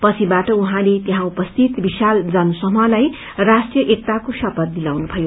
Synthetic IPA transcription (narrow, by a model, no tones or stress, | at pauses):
pʌt͡sʰibaʈʌuɦãlet̪eɦãupʌst̪ʰit̪bisald͡zʌnsʌmʌlaj | rasʈjʌʔek̚t̪akosʌpʌt̪̚d̪ilawnupʰʌjo